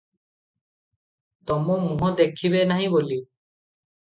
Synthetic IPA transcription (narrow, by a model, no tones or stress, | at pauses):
t̪ɔmɔmũɦɔ̃d̪ekʰiβenaɦĩboli